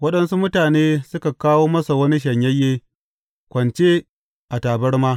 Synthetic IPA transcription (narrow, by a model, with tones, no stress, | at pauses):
wɐ˦ɗɐ˦nsu˦mʊ˦taː˨neː˦sʊ˦ka˨kaː˦woː˦mɐ˦sa˨wɐ˦ni˦ʃ̬ɐ˨ɲjɐ˦jːeː˦ | kʷɐ˨nt͡ʃeː˦ | ʔa˨taː˨bɐ˦rmaː˦